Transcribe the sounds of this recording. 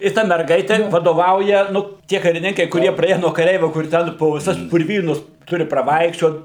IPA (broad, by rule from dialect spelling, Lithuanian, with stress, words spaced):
ɪ ˈtɐ mʲɛrˈɡɐɪtʲɛ ʋɐdoːˈʋɐʊjɛ ˈnʊ ˈtʲiɛ kɐrʲɪˈnʲɪŋkɐɪ kʊˈrʲiɛ prɐˈeːjɛ nuɔ kɐˈrʲɛɪʋʲoː ˈkʊr ˈtʲɛn poː ʋʲɪˈsɐs pʊrʲˈʋʲiːnʊs ˈtʊrʲɪ prɐˈʋɐɪkʃʲt͡ʃʲoːt